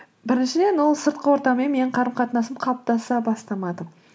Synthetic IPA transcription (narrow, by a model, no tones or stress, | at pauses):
bɪɾɪnʃɪd̪e̞nwo̞lˠsəɾt̪̚qəwo̞ɾt̪ɑmenme̞nɪɴqʰɑɾəmqʰɑt̪ənɑsəmqʰɑlˠəp̚t̪ɑsɑbɑst̪ɑmɑd̪ə